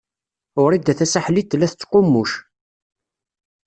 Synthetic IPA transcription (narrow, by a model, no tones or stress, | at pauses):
ʊɾid̪æθæsaħlit̪ːlːæθət͡sːqʊmːuʃ